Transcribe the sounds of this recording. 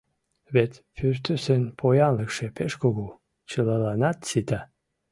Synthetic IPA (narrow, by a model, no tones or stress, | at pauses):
βet̪pyrt̪øsenpʰojɑnləkʃepeʃkoɣo | t͡ɕəlɑlɑnɑt̪sit̪a